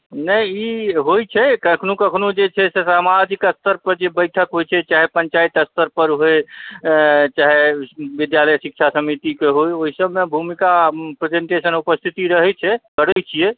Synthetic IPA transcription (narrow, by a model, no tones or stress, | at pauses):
nəiɦojt͡ʃʰɛkəkʰnukəkʰnud͡ʒet͡ʃʰɛsesamad͡ʒikəst̪əɾpəɾd͡ʒebəjʈʰəkɦojt͡ʃʰɛt͡ʃaɦepənt͡ʃait̪əst̪əɾpəɾɦoe | t͡ʃaɦebid̪jaləjsik̚t͡ʃʰasəmit̪ikeɦojoɦisəbmebʱumikapɾed͡ʒeɳʈesənupəst̪ʰit̪iɾəɦɛt͡ʃʰɛkəɽɛt͡ʃʰije